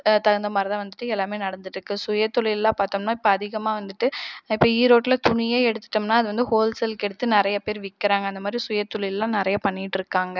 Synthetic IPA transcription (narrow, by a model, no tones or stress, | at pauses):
t̪ɐɣɐnd̪ɐmɐɾɐðɐ̃ʋɐnd̪ɯʈːɯɛlːaːmeːnɐɽɐnd̪ɯʈːɾɯkːɯsʊjɐt̪ːʊlɪɛlːãːpaːɾt̪ɐmnaːɪpːɐɐðɪɣɐmaːʋɐnd̪ɯʈːɯɪpːoːiːɾoːʈːɪlɐt̪ʊɳɪjeːɛɽɯt̪ːɯ̥ʈːɯmnaːɐðɯʋɐnd̪ɯhoːlsɛlkɛɽɯt̪ːɯnɪɾɐjɐpeːɾʋɪkːɪɾaːŋɡɐnd̪ɐmaːd̪ɾisʊjɐt̪ːʊlɪlɛlːãːnɪɾɐjɐpɐɳːɪʈːɪɾɯkːaːŋɡɐ